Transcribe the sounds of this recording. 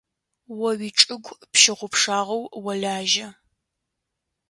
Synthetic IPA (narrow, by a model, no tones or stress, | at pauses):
wɔwiːʈ͡ʂʼɨɡʷpʃɪʁʷʊpʂaːʁɐwwɐɮaːʒɐ